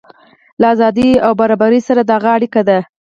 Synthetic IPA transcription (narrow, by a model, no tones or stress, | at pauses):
laːzɑd̪iawbaɾɑbaɾisaɾad̪əaɣaaɽikad̪a